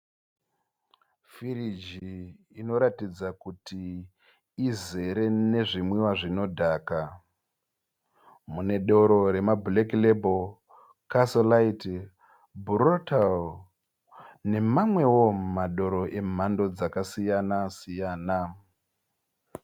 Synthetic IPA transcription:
fiɾid͡ʒi | ino̞ɾatid͡zakutiː | ze̞ɾe̞ne̞ʐimwiwaʐino̞dʱaːka | mune̞ɗo̞ɾo̞ɾe̞mabuleklebol | kasolaiti | burotal | ne̞mamwe̞wo̞maɗo̞ɾo̞ʔe̞m̤ando̞d͡zakasijanasijaːna

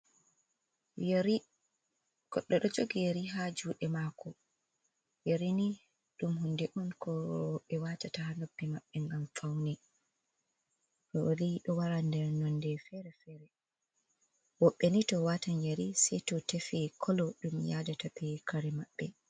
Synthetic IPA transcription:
ɡ̥ɔɗːɔɗɔd͡ʒoɡijeɾiɦad͡ʒuːɗɛmaːkɔ | jeɾini | ɗumhundɛʔunkɔwɔɓːɛwaːtatahanobːɛmaɓːɛŋɡamfawnɛ | ɗɔliɗɔwaɾandɛɾnɔndɛfɛɾɛfɛɾɛ | wɔɓːɛnitɔwatanjeɾisɛjtɔtefɛkʰɔlɔɗumjaːdatapɛkʰaɾɛmaɓːɛ

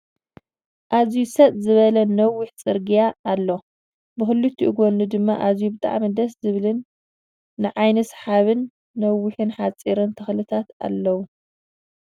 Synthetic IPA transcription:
ʔazijusɐt̪ʼzɨβɐlɐnɐwːɪħt͡sʼɨɾɡijaːlːo | bɨxɨlːut̪ʰːiʔɡonːɨd̪ɨmːaʔazijubɨt̪ʼa̰ʕmid̪ɐszɨβɨlɨnː | ɨʕajnɐsħaβɨnː | ɐwːɪħɨnħat͡sʼːiɾɨnt̪ʰɨxlɨt̪ʰat̪a̰lːɐwu

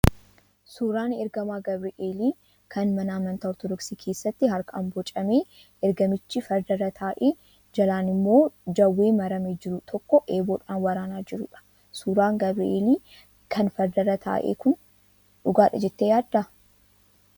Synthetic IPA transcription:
suːɾaːnɛɾɡɐmaːɡɐbɾɪʔeːliː | kʰɐnmɐnaːmɐnt̪ɐɔɾt̪ɔd̪ɔksiːkʰe̞ːsːɐt̪ːɪɦɐɾkɐa̰ːmbɔt͡ʃʼɐmeː | ɛɾɡɐmɪt͡ʃːifɐɾd̪ɐɾɐt̪ʰaːʔeː | d͡ʒɐlaːnɪmːo̞ːd͡ʒɐwːeːmɐɾɐmeːd͡ʒɪɾʊt̪ʰɔkːɔʔeːboːᶑaːnwɐɾaːnaːd͡ʒɪɾʊ̰ᶑɐ̥ | suːɾaːŋɡɐbɾɪ̰ʔḛːliː | kʰɐnfɐɾd̪ɐɾɐt̪ʰa̰ːʔḛːkʊn | ᶑʊɡaːᶑɐd͡ʒɛt̪ːejaːd̪ːɐ

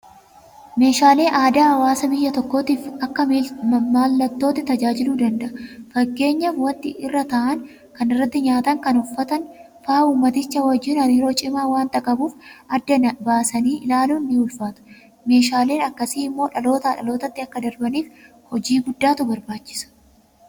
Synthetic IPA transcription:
me̞ːʃaːle̞ːʔaːd̪aːhɐwaːsɐbɪjːɐt̪ɔkːo̞ːt̪iːfɐkːɐimaːlːɐt̪ːo̞ːt̪ːɪt̪ɐd͡ʒaːd͡ʒɪluːd̪ɐnd̪ɐʔɐfɐɡːe̞ːɲːaːfwɐnt̪ːɪʔɪrːɐt̪ɐʔɐn | kɐnɪrːɐt̪ːɪɲaːt̪ɐŋkɐnʊfːɐt̪ɐn | faːuːmːɐt̪ɪt͡ʃːɐwɐd͡ʒɪnɐnɪɾo̞ːt͡ʃʼɪmaːwaːnt̪ɐkʼɐbuːfʔɐd̪ːɐnɐbaːsɐniːʔlaːluːnːɪʊlfaːt̪ʊ̥ | me̞ːʃaːleːnɐkːɐsiːɪmːo̞ːᶑɐlo̞ːt̪ɐᶑɐ̰lo̞ːt̪ɐt̪ːɪɐkːɐd̪ɐɾbɐniːf | hɔd͡ʒiːɡʊd̪ːaːt̪ʊbɐɾbaːt͡ʃːɪ̥sɐ̥

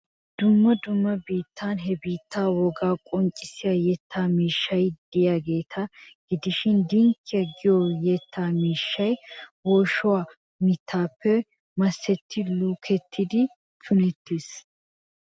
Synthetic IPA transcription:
d̪̥ʊmːɐd̪ʊmːɐbiːt̪ːaːnɦɛbiːt̪ʰːaːwɔɡaːkʼɔnt͡ʃʼɪsɪjajɛt̪ːaːmiːʃːɐjd̪̥ɪjaːɡeːt̪ʰɐɡ̥ɪd̪ɪʃɪnd̪ɪŋkʰːɪjɐɡɪjojɛt̪ʰːaːmiːʃːɐjwɔːʃʊwaː | mɪt̪ʰːaːpːɛ | mɐsːɛt̪ːɪluːkʰɛt̪ʰːɪd̪ɪ | t̪ʰʊnɛt̪ːɪs

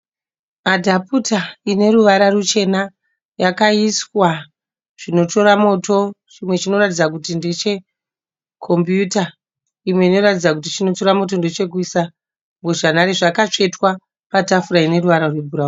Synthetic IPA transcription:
adʱaputaine̞ɾuʋaɾarut͡ʃe̞na | jakaiswa | ʐ̥ino̞to̞ɾamoto̞t͡ʃimwe̞t͡ʃino̞ratid͡zak̬utinde̞t͡ʃe̞ | kʰo̞mbjuta | imwe̞ino̞ratid͡zak̬utit͡ʃino̞toɾamo̞t̬o̞nde̞t͡ʃe̞k̬uisa | ŋɡoʐanaɾeʐakat͡ʂe̞twa | patafuɾaine̞ɾuʋaɾarwebʱuɾau

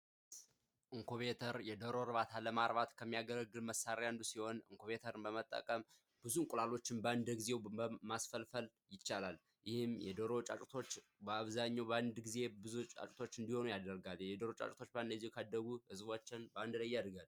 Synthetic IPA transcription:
ʔɨŋkʰoβet̪ʰəɾjɛd̪əɾo̞ɾɨβat̪ʰaləmaɾβat̪kʰəmːijaɡələɡːɨlməsːaɾjand̪usiho̞nɨ̰ŋkʰoβe̞t̪ʰəɾɨnbəmət̪ʼːə̰kʼəm | b̥ɨzunkʼulalo̞t͡ʃːɪnbəand̪əɡizewəmasfəlfəl | jɪt͡ʃːalal | jɪhɪmjɛ̰d̪əɾo̞t͡ʃʼa̰t͡ʃʼt̪ʰo̞t͡ʃːbəaβzaɲːawbəand̪ɡize̞bɨzut͡ʃʼa̰t͡ʃʼt̪ʰo̞t͡ʃːɨnd̪iho̞nujad̪əɾɡaljɛd̪əɾo̞t͡ʃʼa̰t͡ʃʼt̪ʰo̞t͡ʃːband̪əzːewkʰad̪ːəɡuhɨzβot͡ʃːɪnbəand̪lajːad̪ɡal

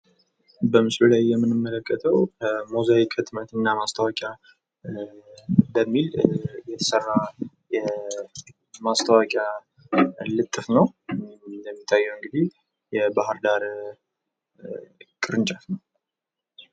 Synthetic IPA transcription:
bəmɨsbɨlajːɛmːɨnɨmːələkʰʼːət̪ʰəwmozaikʰət̪ʼmət̪ʰɨnːamast̪ʰəwakʼja | bəmːiljɛt̪ʰə̥sərːa | jɛ | mast̪ʰəwakʼja | lɨt̪ʼːɨfnəw | d̪əmːit̪ʰːajːɛwɨŋɡɨd̪ih | jɛbahɨɾd̪aɾ | kʼɨɾɨnt͡ʃʼafnəw

